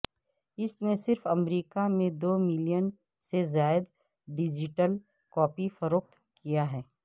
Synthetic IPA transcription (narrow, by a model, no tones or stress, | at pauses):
ɪsnesɪɾfɐmɾiːkamẽd̪oːmɪlijən | sezaːɪd̪ | ɖɪd͡ʒɪʈəl | kɔːpifɐɾoːk̚t̪ | kijaɦɛː